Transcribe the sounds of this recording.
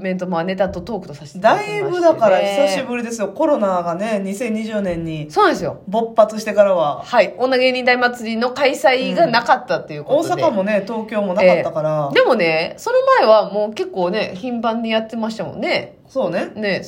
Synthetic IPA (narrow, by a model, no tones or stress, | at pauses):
mẽ̞nt̪̬omoane̞t̪at̪o̞t̪o̞ːkɯ̟̥t̪o̞saɕi̥t̪ed̪aibɯ̟d̪akaɾaçisaɕibɯ̟ɾʲid̪esɨjo̞ko̞ɾo̞naɡane̞ɲ̟isẽ̞ɲ̟ːiʑɯːnẽ̞ɲ̟ːisoːnãd̪esɨjo̞̰bo̞pːat͡sɨɕ̬i̥t̪e̞kaɾaβahaionːaɡe̞ɲ̟ĩnd̪aimat͡sɨɾʲino̞kaisaiɡanakat̪ːat̪ːe̞jɯ̟kooːosadekamo̞ne̞t̪o̞ːkʲo̞ːmo̞nakat̪ːakaɾad̪e̞mo̞ne̞so̞no̞mae̞βamo̞ːke̞kːo̞ːne̞çĩmpãɲ̟ːijat̪ːe̞maɕi̥t̪amõ̰nːe̞ | so̞ːne̞ne̞